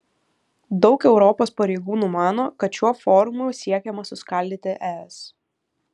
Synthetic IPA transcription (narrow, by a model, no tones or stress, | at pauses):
d̪ɒʊkɛʊɾɔpoːspɐɾʲɛɪɡuːnuːmɑːnoːkɐt̪ʃʲuɔfɔɾʊmʊjsʲiɛkʲɛmɐsʊskɐˑlʲd̪ʲiːt̪ʲɪʔɛɛs